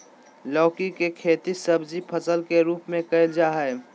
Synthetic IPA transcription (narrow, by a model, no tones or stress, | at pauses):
lɔːkikekʰeːt̪isɐbd͡ʒipʰəsəlkeɾuːpmẽkɐɪld͡ʒaɦɛː